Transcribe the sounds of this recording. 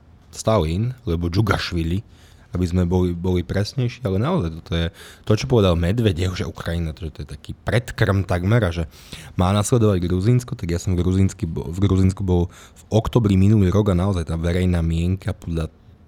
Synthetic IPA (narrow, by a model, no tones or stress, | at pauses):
st̪alinlɛbɔd͡ʒuɡaʃʋiʎi | abizmɛbɔlibɔlipɾɛsɲɛjʃiːalɛnaɔzajt̪ɔ̥t̪ɔjɛt̪ɔt͡ʃɔpɔʋɛd̪almɛd̪ʋɛɟɛuʒɛʔukɾajinat̪ɔʒɛt̪ɔjɛt̪akiːpɾɛt̪kr̩mt̪aɡmɛɾaʒɛ | maːnaslɛd̪ɔʋaɟɡɾuzinskɔt̪aɡjasɔmɡɾuzinskivɡɾuzinskubɔlvɔkt̪ɔbɾiminuliːɾɔɡanaɔzajt̪aːʋɛɾɛjnaːmɪɛŋkapɔd̪ʎa